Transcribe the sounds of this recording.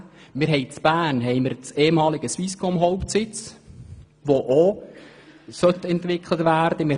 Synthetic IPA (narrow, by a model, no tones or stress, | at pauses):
mɪɾɦɛɪt͡sb̥æːnɦɛɪməɾt͡seːmɑːlɪɡəsʋiskɔmɦɔwptsɪt͡s | ʋoʔo | sœt̪ɛntʋɪkʰlətʋæːɾd̥̪əmɪ